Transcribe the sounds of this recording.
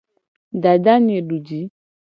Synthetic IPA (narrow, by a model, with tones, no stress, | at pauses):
da˨da˦ɲẽ˨ɖu˨d͡ʒi˨˦